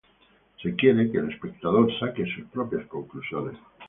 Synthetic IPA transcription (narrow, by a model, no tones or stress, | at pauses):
se̞kjeɾekeːle̞spe̞k̚t̪að̞o̞ɾsakesuspɾo̞pjasko̞ŋklusjones